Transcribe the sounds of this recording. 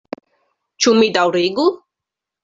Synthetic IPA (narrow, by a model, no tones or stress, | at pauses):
t͡ʃumid̪awɾiɡu